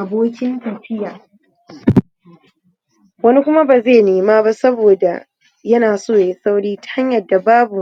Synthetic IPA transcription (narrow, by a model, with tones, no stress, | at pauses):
ʔa˨boː˦kʲɪ˦ntɐ˨ɸɪ˦jaː˨ | wɐ˦ni˦kʷʊ˦ma˦baː˨zeː˦˨neː˨maː˦ba˦sɐ˦boː˨da˨ | jɐ˦naː˨soː˦˨ja˨˦sa˦wɽiː˦ta˦ɲjɐ˨dːa˨baː˦bu˨˦